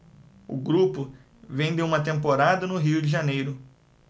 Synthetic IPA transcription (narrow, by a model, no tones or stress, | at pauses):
ʊ̰ɡɾupʊ | vẽd̪ɪũmɐt̪ẽmpoɾad̪ɐnʊɦiwd͡ʒɪʒanejɾʊ